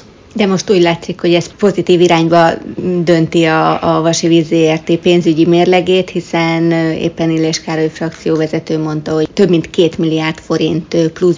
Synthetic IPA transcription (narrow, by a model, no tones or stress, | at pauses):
d̪ɛmo̞ʃt̪uːɟlaːt̪sikho̞ɟɛspo̞zit̪iːviɾaːɲbɒd̪ønt̪iɒvɒʃivizeːɛrt̪eːpeːnzyɟimeːrlɛɡeːt̪hisɛnḛːpːɛnileːʃkaːɾojifrɒkt̪sijoːvɛzɛt̪øːmo̞nt̪ɒho̞t̪øbmint̪keːt̪milːiaːrt̪fo̞ɾint̪øːpluz